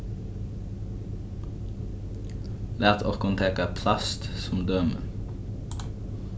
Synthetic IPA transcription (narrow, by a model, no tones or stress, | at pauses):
læːt̪ʰɔkʊnt̪ʰeːkɑpʰlɑst̪sʊmd̪øːmə̰